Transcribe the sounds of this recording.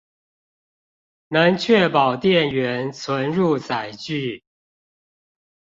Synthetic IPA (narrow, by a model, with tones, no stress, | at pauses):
na˧˥ŋt͡ɕʰɥɛ˥˩pɑ˨˩ʊt̪jɛ˥˩nɥɛ˧˥˦nt͡sʰwə˧˥nɻu˥˩˨t͡sa˨˩ɪt͡ɕy˥˩